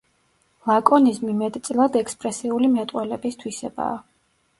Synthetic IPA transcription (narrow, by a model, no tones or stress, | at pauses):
lˠakʼɔnismimɛd̪ʰt̪sʼlˠad̪ɛkspʼɾɛsiulimɛt̪ʼwɛlɛbist̪ʰwisɛba̰ː